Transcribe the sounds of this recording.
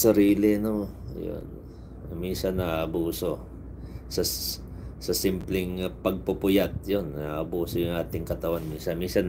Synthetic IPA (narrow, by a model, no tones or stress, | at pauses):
sɐɾiːlɪɐno | jo̰n | minsɐnɐaʔɐbuːso̞ | sɐ | sɐsimplɪŋpɐɡ̚pʊpʊjat̪̚jonaːʔɐbuːsojʊŋʔaːt̪ɪŋkɐt̪ɐwanminsɐnminsɐn